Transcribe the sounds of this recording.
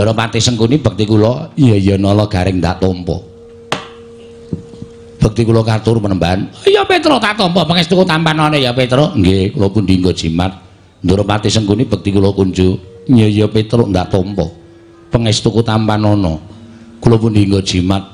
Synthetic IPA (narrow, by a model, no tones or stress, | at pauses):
nd̪oɾɔpat̪isənkunib̥ək̚t̪ikulɔjəjɔnɔlɔɡ̥aɾɪkŋ̚nd̪a̰ʔt̪ɔmpɔ̰ | b̥ək̚t̪ikulɔkat̪ʊrpənəmbaanjopet̪ɾʊʔt̪aʔt̪ɔmpɔpəŋest̪ukut̪ampanɔnɔjapet̪ɾoʔŋɡekulɔpʊndiŋɡod̥imat̪̚ | nd̪oɾɔpat̪isənkunib̥ək̚t̪ikulɔkund͡ʒuɲəjopet̪ɾʊʔnd̪a̰ʔt̪ɔmpɔ̰ | pəŋɛst̪ukut̪ampanɔnɔ | kulɔpʊndiŋɡod̥ʒ̥imat̪̚